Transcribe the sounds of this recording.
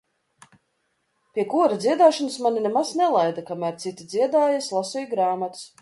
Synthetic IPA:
pʲiɛkuɔɾad̪zʲiɛd̪aːʃɔnasmanʲinemaznɛlˠajd̪akamæːɾt̪sit̪id̪ziɛd̪aːjaslˠasɔjɡɾaːmat̪s

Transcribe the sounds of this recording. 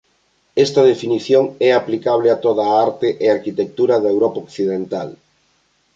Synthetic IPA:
ɛst̪ɐðefiniθjoŋɛaplikaβ̞lɪat̪oðaaɾt̪ɪʔeaɾkit̪ek̚t̪uɾɐðewɾɔpaokθiðent̪al

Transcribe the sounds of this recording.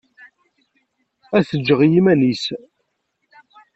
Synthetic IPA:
æsəd͡ʒːəʁjimænis

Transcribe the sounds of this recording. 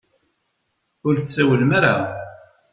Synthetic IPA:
ʊɾt͡ssæwəlmaɾa̰

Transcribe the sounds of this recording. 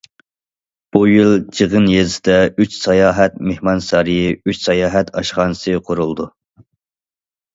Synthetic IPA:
b̥ujilˠd͡ʒɨʁənjezɪd̪ɛyt͡ʃsɑjɑːɦɛt̪̚mehmɑnsɑɾijiyt͡ʃsɑjɑːɦɛt̪ʰɑ̰ʃχɑnɨsɨqʰoɾulˠd̪u

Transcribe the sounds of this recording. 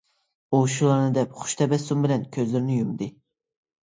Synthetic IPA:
uʃulˠɑɾnɨd̪ɛpχʊ̥ʃt̪ʰɛbɛsumbɪlɛnkʲʰøzlɪɾnɪjumd̪ɨ

